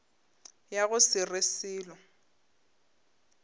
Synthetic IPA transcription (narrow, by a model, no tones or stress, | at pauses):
jaɣʊsɪresiːlɔ